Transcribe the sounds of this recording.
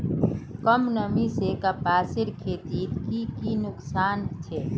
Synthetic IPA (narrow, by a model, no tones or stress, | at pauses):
kəmnəmisekapaːsɪɾkʰeːt̪iːt̪kikinʊksaːnt͡ʃʰeː